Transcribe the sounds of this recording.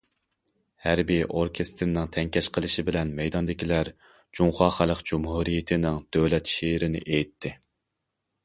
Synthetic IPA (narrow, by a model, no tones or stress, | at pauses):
hæɾbiʔoɾkʲʰest̪ʰɾnɪŋt̪ʰɛŋkʲʰɛʃqʰəlˠɨʃɪbɪlɛnmɛjd̪ɑnd̪ɪkʲʰilæɾ | d͡ʒuŋχɑːχælˠəqd͡ʒumhuɾijɪt̪ʰɪnɪŋd̪̥øwlɛt̪ʃeɪɾɪnɪ̰ʔejt̪ʰːɪ